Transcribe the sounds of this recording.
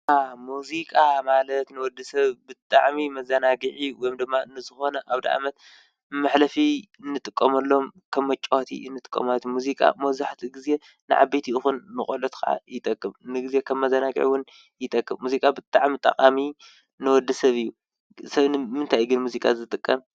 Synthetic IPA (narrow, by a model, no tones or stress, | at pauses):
amuzikʼamalɐt̪nɨwɔd̪ɨsɐβbɨt̪ʼa̰ʕmimɐzɐnaɡɨʕiwɔjmd̪ɨmːaɨnːɨzɨxo̞nɐʔaβd̪ḭʕa̰mɐt̪̚ | mːaħlɐfiɨnːɨt̪ʼɨkʼːɐmɐlːo̞mkʰɐmːɐt͡ʃʼot̪ʰḭɨnːɨt̪ʼɨ̥kʼːɐ̰mat̪muzikʼa̰mɐzaħt̪ʰiɡize̞ | nɨ̰ʕa̰bet̪ʰiɨxunmɨxʼolot̪kʰa̰ʕa̰jɪt̪ʼɐkʼːɨmnɨɡɨzje̞kʰɐmːɐzɐnaɡʼḭʕwʊn | jɪt̪ʼɐkʼːɨmːuzikʼabɨt̪ʼaʕmit̪ʼɐ̰χʼami | nɨwɔd̪ːɨsɐβɨjːu | sɐβnɨmɨnt̪ʰajɡɨnmuzikʼazɨt̪ʼɨkʼːɐm